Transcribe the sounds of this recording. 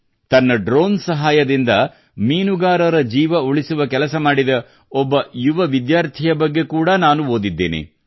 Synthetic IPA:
t̪ɐnːɐɖɾo̞ːnsɐɦaːjɐd̪ind̪ɐ | miːnuɡaːɾɐɾɐd͡ʒiːʋɐuɭisuʋɐkɛlɐsɐmaːɽid̪ɐ | ɔbːɐjuʋɐʋid̪jaːɾt̪ʰijɐbɐɡːe̞kuːɽɐnaːnuoːd̪id̪ːḛːnḛ

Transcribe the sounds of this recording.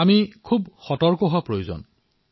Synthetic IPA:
amikʰubxɔtɔɹkɔɦɔpɹojozo̰n

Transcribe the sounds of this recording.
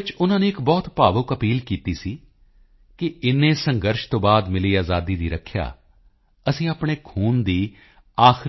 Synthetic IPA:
t͡ʃʊnãːneːɪkbɔːt̪paːʋʊkəpiːlkiːt̪iːsiː | kɪɪnːẽːsəŋɡəɾʃt̪õːbaːd̪mɪliːaːzaːd̪iːd̪iːɾəkʰːja̰ː | əsĩːaːpɳ̃eːkʰuːnd̪iː | aːx

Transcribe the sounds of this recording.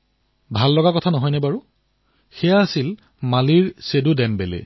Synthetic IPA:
bʱalːɔɡakɔtʰanɔɦɔjnɛbaɹu | xɛjaːsil | maliɹsedudɛmbelḛ

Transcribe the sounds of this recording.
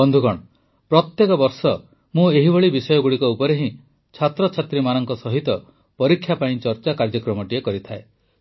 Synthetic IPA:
bɔnd̪ʱuɡɔɽ̃ɔ | pɾɔt̪jekɔbɔɾsɔ | mũeɦiboɭibisɔjɔɡuɭikɔupɔɾeɦĩ | t͡ʃʰat̪ɾɔt͡ʃʰat̪ɾimanɔŋkɔsɔɦit̪ɔ | pɔɾikʰːjapaĩt͡ʃɔɾt͡ʃakaɾd͡ʒɔkɾɔmɔʈiekɔɾit̪ʰae

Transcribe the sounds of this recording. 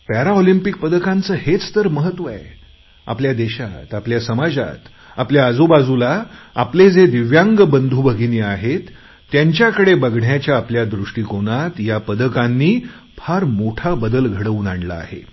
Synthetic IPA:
pæɾaɔlimpik̚pəd̪əkãnt͡səːhet͡st̪əɾməɦət̪ːʋəe | a̰pljad̪eɕat̪apljasəmad͡za̰t̪ | apljaːd͡zubad͡zulaa̰pled͡zed̪iʋjãŋɡbənd̪ʱuːbəɡʱiniaɦet̪ː | jaɲt͡ɕjakəɽebəɡʱɳjat͡ɕjaːpljad̪ɾuʂʈiːkonat̪japəd̪əkãnːiː | pʰaɾmoʈʰabəd̪əlɡʱəɽəʋuːnaɳla̰ːɦḛ

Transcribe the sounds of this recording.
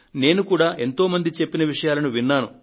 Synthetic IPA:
ne̞ːnukuːɽaːʔe̞nt̪o̞ːmɐnd̪it͡ʃe̞pːinɐʋiʂɐjaːlɐnuʋinːaːnu

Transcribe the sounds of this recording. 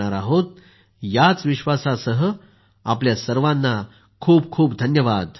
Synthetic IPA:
aɾaɦot̪̚ | jat͡sʋiɕʋasasəɦə | apljasəɾʋãnːa | kʰuːbkʰuːpd̪ʱənjəʋad̪

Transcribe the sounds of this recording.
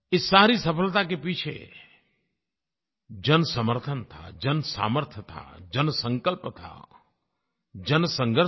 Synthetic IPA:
ɪsːaːɾisəpʰəlt̪ak̬epiːt͡ʃʰḛ | d͡ʒənsəməɾt̪ʰənt̪ʰa̰d͡ʒənsa̰ːməɾt̪ʰjət̪ʰa̰d͡ʒənsə̃ŋkəlpt̪ʰa̰ | d͡ʒənsə̃ŋɡʱəɾ

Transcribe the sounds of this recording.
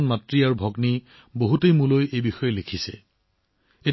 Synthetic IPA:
nmatɹiaɹubʱɔɡni | boɦutejmulojejbixɔjɛlekʰisɛ̰ | e

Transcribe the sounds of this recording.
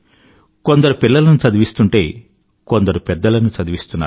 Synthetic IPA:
ko̞nd̪ɐɾupilːɐlɐnut͡ʃɐd̪iʋist̪uɳʈe̞ː | ko̞nd̪ɐɾupɛd̪ːɐlɐnut͡ʃɐd̪iʋist̪unːa̰ː

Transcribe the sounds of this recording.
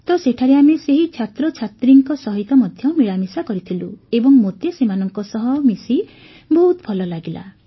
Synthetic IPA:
t̪ɔseʈʰaɾeameseɦit͡ʃʰat̪ɾɔt͡ʃʰat̪ɾiŋkɔsɔɦit̪ɔmɔd̪ʱjɔmiɭamisakɔɾit̪ʰiluebɔŋmot̪esemanɔŋkɔsɔɦɔmisi | bɔɦut̪ɔpʰɔlɔlaɡila̰

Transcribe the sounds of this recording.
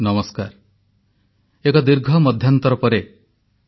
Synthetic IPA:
nɔmɔskaɾ | ekɔd̪iɾɡʱɔmɔd̪ʱjant̪ɔɾɔpɔɾe

